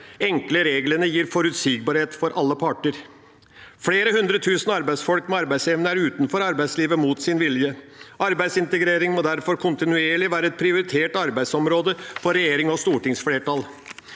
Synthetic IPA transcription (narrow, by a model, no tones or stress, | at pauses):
ɛŋkləɾeːɡlənəjiːɾfɔɾʉt̪siːɡ̚bɑːɾheːt̪fɔɾʔɑlːəpʰɑʈəɾ | fleːɾəhʉnd̪ɾət̪ʰʉːsn̩ɑɾbæɪsfɔlkmɛɑɾbæɪsɛʋnəæɾʉːt̪nfɔɾɑɾbæɪsliːʋəmuːt̪sɪnʋɪljə | ʔɑɾbæɪsɪnt̪əɡɾeːɾɪŋmoːd̪æɾfɔɾkʰʊnt̪ɪnʉeːɭɪʋæːɾəɛt̪̚pʰɾɪʊɾɪt̪ʰeːʈɑɾbæɪd̪sɔmɾoːd̪əfɔɾɛjeːɾɪŋɔst̪uːʈɪŋsfleːʈɑl